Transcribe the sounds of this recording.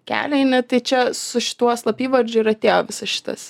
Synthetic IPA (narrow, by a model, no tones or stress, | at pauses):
kʲæ̰ːlʲɛɪnʲɪt̪ɐɪt͡ʃʲɛsʊʃʲɪ̥t̪uɔslˠɐpʲiːʋɐrʲd͡ʒʲʊiɾɐt̪ʲeːjoːʋʲɪsɐsʃʲɪ̥t̪ɐ̰s